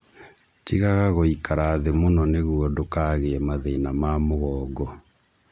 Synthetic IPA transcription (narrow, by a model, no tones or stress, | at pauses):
tiɣaɣaɣoikaɾaːðemonɔneɣuɔdokaɣeɛmaðeːnamamoɣɔːɡɔ